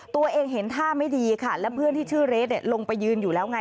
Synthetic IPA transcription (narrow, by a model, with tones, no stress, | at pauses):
t̪u˧ɐʔeː˧ŋɦe˩˦nt̪ʰaː˥˩ma˥˩jdiː˧kʰa˥˩lɛ˦˥pʰɯ˥˩ənt̪ʰiː˥˩t͡ɕʰɯː˥˩ɾe˦˥t̪̚ni˥˩lo˧ŋpa˧jːɯː˧njuː˨˩lɛː˦˥wŋa˧